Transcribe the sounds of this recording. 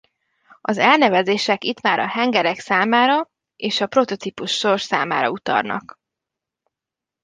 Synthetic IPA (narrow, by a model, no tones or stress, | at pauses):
ɒzɛlnɛvɛzeːʃɛkit̪maːɾɒhɛŋɡɛɾɛksaːmaːɾɒ | eːʃɒpɾo̞t̪o̞t̪ipuʃːo̞rʃsa̰ːma̰ːɾɒut̪ɒ̰rnɒ̰k